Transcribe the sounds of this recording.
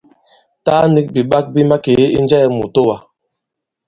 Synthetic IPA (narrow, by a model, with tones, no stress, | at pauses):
taː˦ni˦k̚bi˨ɓa˦k̚bi˦ma˦ke˨˦ḭ˦nd͡ʒɛ˦˨mṵ˨to˦wa˨